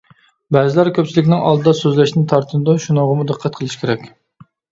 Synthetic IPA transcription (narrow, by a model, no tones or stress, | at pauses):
bæzɪlæɾkʲʰøp̚t͡ʃʰilɪkʲnɪŋɑ̰lˠd̪ɨd̪ɑsøzlæʃnɪt̪ʰɑɾt̪ʰɨnɨd̪uʃunəʁəmud̪ɨqʰːɑt̪̚qʰəlˠɨʃkʲeɾɛkʲ